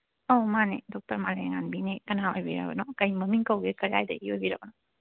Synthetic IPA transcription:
ɔmanidɔk̚tɐɾmaleŋanbinikɐnaojbiɾa̰ɡɔnɔkɐjməmiŋkɐwɡekɐɾa̰jdɐ̰ʔiojbiɾabɔnɔ

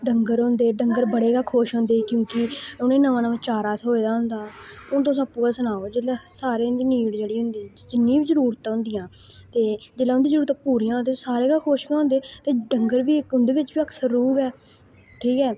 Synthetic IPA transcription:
ɖəŋɡəɾɦʊ̃nd̪eːɖəŋɡəɾbəɽeːkaːkʰoːʃɦõːnd̪eːkjõːkɪʊnẽːnəʋãːnəʋət͡ʃaːɾaːt̪ʰoːeːd̪aːɦʊnd̪aːʊt̪̬õːsapːuːɡaːsənaːoːd͡ʒeːlaːsaːɾeːnd̪iːniːɽd͡ʒeːɽiːɦʊnd̪iː | d͡ʒɪnːĩːbiːzəɾuːɾt̪ãːɦʊ̃nd̪ɪjãː | t̪eːd͡ʒɪlaːʊnd̪iːzəɾuːɾt̪ãːpuːɾijãːnd̪eːsaːɾeːkaːkʰoːʃkãːɦʊ̃nd̪eːt̪eːɖəŋɡəɾbiːkʊnd̪eːʋɪt͡ʃbiːəksəɾuːpɛː | ʈʰiːkɛː

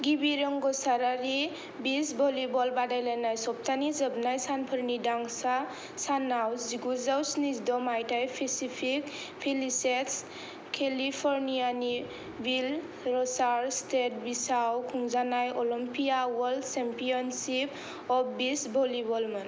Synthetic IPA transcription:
ɡibiɾɔŋɡɔsaɾaɾi | bisbʱɔlibɔlbadajlanajsɔp̚t̪ʰanizəbnajsanpʰəɾnidaŋsa | sanawd͡ziɡuzawsnizd̪ɔmajʈajpʰesipʰik | pʰeliseks | kʰelipʰɔɾnijani | bil | ɾɔsaɾstʰeʈ̚bisawkʰuŋzanajʔɔlɔmpijawɔldsempijɔnsip | ɔpbisbʱɔlibɔlman

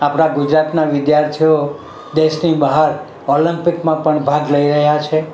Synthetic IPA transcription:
apɽ̃aɡud͡ʒɾat̪naʋɪd̪jaɾt̪ʰijo | d̪eʃnibaɦaɾ | olimpɪkmãpəɳbʱadləiɾəɦjat͡ʃʰe

